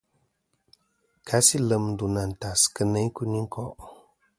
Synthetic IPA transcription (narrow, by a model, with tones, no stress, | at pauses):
kʰa˦si˦lə˨m˦du˨na˨n̩˨ta˨skɨ˦nə˦ku˦ni˦ŋ̩˦kʰɔ˦˨ʔ